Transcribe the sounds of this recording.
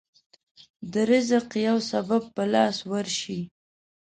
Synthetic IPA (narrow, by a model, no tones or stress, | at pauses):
d̪əɾɪzəqjawsabab̚pəlɑswəɾʃi